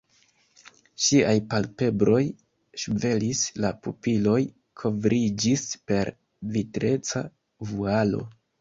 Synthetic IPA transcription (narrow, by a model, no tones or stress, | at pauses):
ʃiajpalpe̞bɾo̞j | ʃve̞lislapupilo̞j | kʰo̞vɾid͡ʒispe̞ɾ | vitɾe̞t͡sa̰ | vualo̞̰